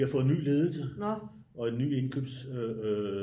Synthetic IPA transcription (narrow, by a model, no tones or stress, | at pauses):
ihɑ̈fɔ̽ːð̩ˠny̰ːle̝ːð̞ˠl̩sə | ɒ̽e̝nːy̰ːe̝nkʰø̰ːb̥sø